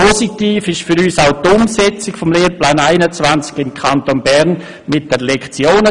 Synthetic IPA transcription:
ositiːfɪʃfʏɾyːsaʊtʊmsɛt͡sɪkfɔmleːɾplaːnaɪnət͡svant͡sɡ̥ɪmkʰantonbɛɾn | mɪt̚d̥ɛlɛkt͡sjoːnə

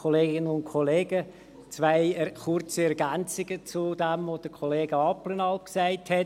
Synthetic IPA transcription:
oleːɡɪnənʊntkʰoleːɡə | t͡svaɪɛχʊrt͡səɛɾɡænt͡sɪɡət͡sud̥ɛmvod̥əkʰoleːɡəɑplənɑlpksaɪthɛ

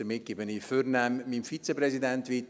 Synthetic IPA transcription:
əmɪt̚ɡ̥ɪbəniføɾnæmːimfit͡seprɛsidɛntʋit

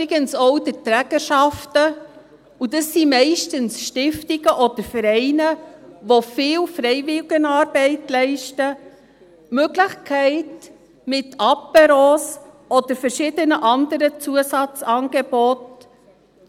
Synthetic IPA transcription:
ɾɪɡ̥ənsoʊd̥ətɾæːɡəɾʃɑftə | ud̥əsːimɛɪʃtənsʃtɪftɪɡəʔɔd̥̪əɾfəɾɛɪnəʋofɪːlfɾɛɪvɪlɡənɑːɾb̥ɛɪtlɛɪʃtə | møɡlɪχkʰɛɪt | mɪtʰɑpɛɾoːs | ɔd̥̪əɾfəɾʃɪːdənəʔɑndəɾət͡suəsɑt͡sɑːnɡ̥eb̥ɔt

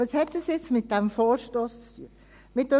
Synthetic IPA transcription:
əshɛt̚d̥əsjɪt͡smɪt̚d̥ɛmfɔːɾʃtoːst͡stʰyə | mɪt̚də

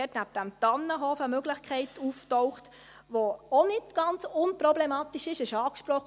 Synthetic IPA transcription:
ɛtnæp̚d̥æmtɑnːəɦɔfəmøɡlɪχkʰχɛɪtuftɔʊχt | ʋoonɪtɡ̥ɑnt͡sʊnprɔblɛmɑːtiʃɪʃɪʃɑːkʃpɾɔχ

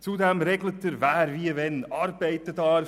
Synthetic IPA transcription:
t͡sud̪ɛmɾɛɡlət̪ːəɾvæːɾviəvɛnɑɾb̥ɛɪtədɑɾ

